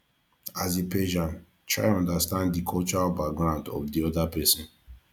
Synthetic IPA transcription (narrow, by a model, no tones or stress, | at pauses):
azepɛʒãn | tʰɹa̰ɪɔ̃ndastãnddikʰɔlt͡ʃɔɹalbak̚ɡɹãʊndɔ̰vdiɔdapɛsɔ̃n